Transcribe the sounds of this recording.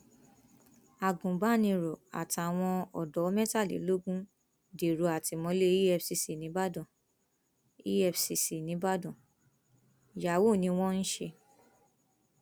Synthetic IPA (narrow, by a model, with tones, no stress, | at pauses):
a˨ɡũ˨ba˦nĩ˧ɾɔ˨a̰˨ta˨w̃ɔ̃˧ɔ˨dɔ˨˦mɛ̃˦ta˦˨lḭ˨˦lo˦ɡũ˦ | de˨ɾo˨˦a˨ti˧mɔ̃˧˦le˦i˦ɛ˦fsi˧si˨nĩ˨˦ba˦dɔ̃˨ | ḭ˦ɛ˦fsi˧si˨nĩ˨˦ba˦dɔ̃˨ | ja˨wo˦˨nĩ˧˦w̃ɔ̃˦n̩˦ʃe˧